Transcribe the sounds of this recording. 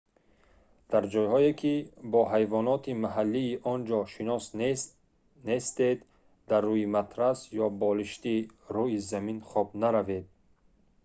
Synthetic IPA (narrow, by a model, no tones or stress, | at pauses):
d̪̥aɾd͡ʒɔjhɔekʲʰibɔɦajvɔnɔt̪ʰimaɦalːiːʔɔnd͡ʒɔʃinɔs | nest̪ed̪ | d̪arːujimat̪ɾasjɔbɔliʃt̪iɾuizaminχɔbnaɾaved̪̚